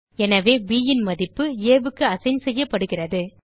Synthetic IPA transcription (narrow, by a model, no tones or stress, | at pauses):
ɛnɐʋeːbiːjɪnmɐðɪpːɯeːʋɯkːɯɐsɐɪnsɛjːɐpːɐɽɯɣɪrɐðɯ